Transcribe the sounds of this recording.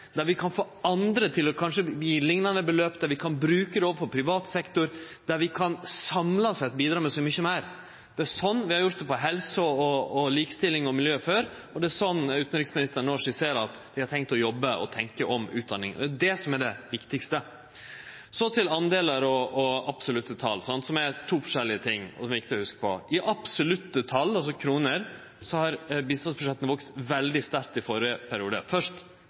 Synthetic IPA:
d̪æɾʋɪkʰɑnfoːɑnd̪ɾət̪ʰɪlɔkʰɑnʂəbjiːlɪŋnɑnəbəløːpd̪æɾʋɪkʰɑnbɾʉːkəd̪ɛoːʋəfɔpʰɾɪʋɑːt̪sɛkt̪ʊɾ | d̪̥æɾʋɪkʰɑnsɑmlɑsɛt̪̚biːd̪ɾɑːmɛsɔmʏçɔmæɪɾ | d̪̥ɛæʂɔnːʋɪhɑɾjʊɾt̪̚d̪ɛpɔɦɛlsəɔːliːkə̥st̪ɪlːɪŋɔmɪljøːføːɾ | ɔd̪ɛæsɔnːʉːt̪nɾɪksmɪnɪst̪əɳɔːʂɪseːɾɑt̪d̪̥ɪhɑɾʈ̪ʰɛŋk̚t̪ɔjɔbːəʔɔ̰t̪ʰɛŋkəʔɔmʉ̰ːt̪̚d̪ɑnːɪŋə̰d̪ɛdɛsɔmɛɖɛʋɪkt̪ɪkst̪ə | sɔt̪ʰɪlɑnd̪eːləɾɔɔɑpsʊlʉt̪ːət̪ʰɑlːsɑnt̪sɔmɛt̪ʰuːfɔ̥ʂɛlːɪət̪ʰɪŋːɔ̰sɔmɛɪk̚t̪ɪlɔhʉskə̥pʰɔ̰ʔɪʔɑpsʊlʉt̪ːət̪ʰɑlːɑls̬ɔkʰɾuːnəɾ | sɔhɑɾbɪst̪ɑnsbɾʊʂɛt̪ːn̩ʋɔkst̪ʋɛld̪ɪst̪æɾk̚t̪ɪfɔɾəpʰæɾɪuːd̪ə̰fœʂt

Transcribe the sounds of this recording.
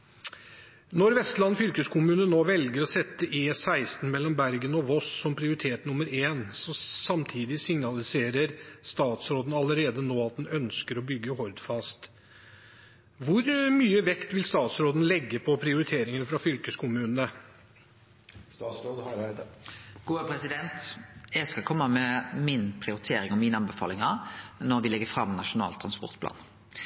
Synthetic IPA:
nɔɾʋɛst̪lɑnːfʏlkəskʰʊmʉːnənoːʋɛlɡəɾɔsɛt̪ːəʔeːsæɪst̪n̩mɛlːɔmbæɾɡənɔʋɔsːɔmpʰɾɪʊɾɪt̪ʰeːt̪nʊməɾeːnsɔsɑmt̪ʰiːd̪ɪsɪŋnɑlɪseːɾəɾst̪ɑːt̪sɾoːd̪nɑləɾeːd̪ənoːɑt̪̚d̪ɛnœnskəɾɔbʏɡːəhɔɾd̪fɑst̪ | ʋʊɾmyːəʋɛkt̪ʋɪlst̪ɑːt̪sɾoːd̪n̩lɛɡːəpʰɔpʰɾɪʊɾɪt̪ʰeːɾɪŋənfɾɑfʏlkəskʰʊmʉːnnə | ɡ̥uːpʰɾɛsɪd̪ɛnt̪ɛɡskɑkʰɔmːəmɛmɪnpʰɾɪʊɾɪt̪ʰeːɾɪŋɔmɪnəɑnbɛfɑ̰lɪŋɑnɔʁʋɪlɛɡəfɾɑmnɑʃʊnɑ̰ːlt̪ʰʁɑnspɔ̰ʁt̪̚pʰlɑ̰ːn

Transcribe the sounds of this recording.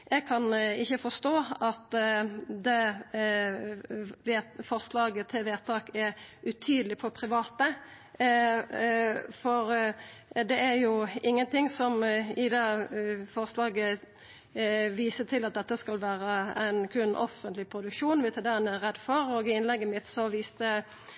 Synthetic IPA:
jɛɡ̚kʰɑnɪçːəfɔst̪oːɑt̪ | d̪ɛ | ʋefɔʁslɑːɡət̪ʰɪlʋeːt̪ʰɑːkɛɾʉt̪ʰyːd̪əlɪpʰɔpʰɾɪʋɑːt̪ə | fɔɾ | d̪ɛæɾjʊɪŋːənt̪ʰɪŋsɔmɪd̪ɛfɔʁslɑːɡə | ʋiːsət̪ʰɪlɑt̪̚d̪ɛt̪ːəskɑlʋæːɾəæɪnkʰʉnːʔɔ̰fənt̪lɪpʰɾʊd̪ʉkʂuːnʋɪt̪ɛd̪ɛnɛæʁɛd̪fɔɾɔːɡɪɪnlɛɡːəmɪt̪sɔʋiːst̪ə

